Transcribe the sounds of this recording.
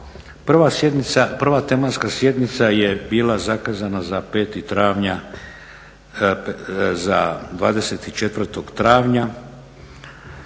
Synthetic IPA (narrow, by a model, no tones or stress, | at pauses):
prʋasjed̪nit̪sapr̩ʋat̪e̞manskasje̞d̪nit̪saje̞biːlazakazanazape̞ːt̪it̪ɾaːʋɲa | zad̪ʋaːd̪e̞se̞t̪it͡ʃe̞t̪ʋr̩t̪o̞ɡt̪ɾaːʋɲa